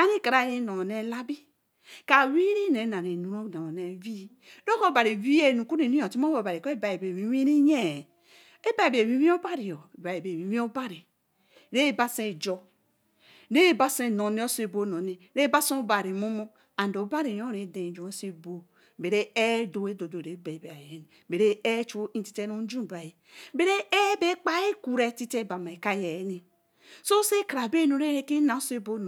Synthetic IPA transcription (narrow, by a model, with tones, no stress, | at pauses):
a˦ɾi˦˨ka˨ɾa˨ji˦no˨ne˦la˦bi˦ | ka˨wi˦ɾi˦ne˨˦na˨ɾe˨nu˨ɾo˦˨na˨ne˨vi˦ | ɾo˦ko˦ba˨ɾi˨vi˦e˦˨nu˨ku˦i˨nĩ˦o˨ti˦mo˦o˨ba˨ɾi˨ko˦e˦ba˨je˨be˨wi˦wi˦ɾi˦ɲe˦˨ | e˦ba˦˨i˨be˨wi˦wi˦o˦ba˦ɾi˨jo˨ba˨je˨be˨wi˨˦wi˦o˦ba˦ɾi˨ | ɾe˦˨ba˦se˦˨d͡ʒo˦ | ɾe˦ba˦se˦˨no˨ne˦o˦se˨bo˦no˨ne˨ | ɾe˦ba˦sõ˦o˦ba˨ɾi˨mu˦mo˦ | a˨n˨do˨˦ba˦ɾi˨jo˦ɾe˨de˨d͡ʒu˨˦e˦se˦bo˦ | be˨ɾe˦e˦do˨we˦do˨do˨ɾe˨˦be˨i˨be˨a˨je˨˦ni˨ | be˨ɾe˦e˦t͡ʃo˦i˦ti˦te˦no˦d͡ʒu˦˨ba˨ji˨ | be˨ɾe˦e˦be˦k͡pa˦e˦ku˨ɾe˦ti˦te˦˨ba˨ma˨e˨ka˦je˨˦ni˨ | so˦se˦kɾa˨be˦no˨ɾe˦ɾe˦ki˦na˨o˦se˦bo˦n˨